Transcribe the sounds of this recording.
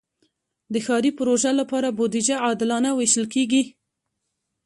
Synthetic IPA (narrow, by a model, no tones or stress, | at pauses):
d̪əxɑɾipʊɾoʒalapɑɾabod̪ɪd͡ʒaɑd̪ɪlɑnaweʃəlkeɡi